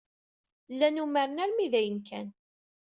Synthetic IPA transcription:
lːænuməɾənæɾmiðæjənkæn

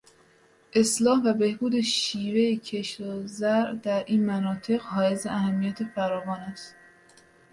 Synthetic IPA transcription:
ʔe̞slɒːhvæbe̞hbuːd̪e̞ʃiːvejecʰe̞ʃɾozæɾd̪æɾʔiːnmænɒːt̪ʰe̞ɣhɒːjezeʔæhæmːijæt̪ʰe̞fæɾɒːvɒːnæst̪

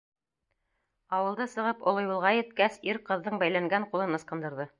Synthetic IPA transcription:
ɑwɤ̆lˠd̪ɤsɤ̆ʁɤpŏlˠɤ̆julˠʁɑjɘ̆t̪̚kæsiɾqɤ̆ðːɤɴbæjlæŋɡæɴqulˠɤnɤ̆sqɤ̆nd̪ɤ̆ɾðɤ

